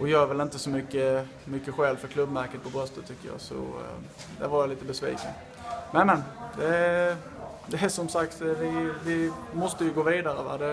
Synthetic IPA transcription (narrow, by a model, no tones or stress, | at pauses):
ʔɔjɑːvɛlɪnt̪əsɔmʏkːə | mʏkːəɧɛːlfœɾkʰlɵbmæɾkət̪̚pʰɔbɾœst̪ət̪ʰːʏkːəjɑ̰ːsɔ̰ | d̪æ̰ɾvaɾjaliːt̪əbɛsvḭːkən | mɛnmɛnd̪ɛ | d̪ɛæʂɔmsak̚t̪vɪvɪmɔst̪əjɵɡoːviːd̪aɾəʋæ̰d̪ɛ